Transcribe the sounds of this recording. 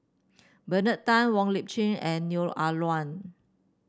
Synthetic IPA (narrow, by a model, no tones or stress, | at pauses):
bənətãnwɔ̃ŋlip̚t͡ʃẽŋɛ̃nːjulalwãn